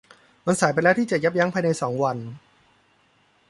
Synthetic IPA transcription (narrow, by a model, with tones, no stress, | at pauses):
ma˧nsaː˩˦pa˧jlɛː˦˥wt̪iː˥˩t͡ɕa˨˩ja˦˥p̚ja˦˥ŋpʰaː˧jna˧jsɔː˩˦ŋwa˧n